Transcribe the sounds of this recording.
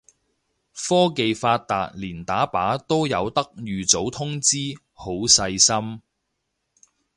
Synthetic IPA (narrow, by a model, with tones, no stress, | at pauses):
fɔː˥ke˨jfaː˧t̚t̪ːaː˨t̚liː˨˩nt̪aː˨˥paː˨˥t̪o˥wjɐ˨˧wt̪ɐ˥k̚jyː˨t͡so˨˥wt̪ʰʊ˥ŋt͡siː˥ | ho˨˥wsɐ˧jsɐ˥m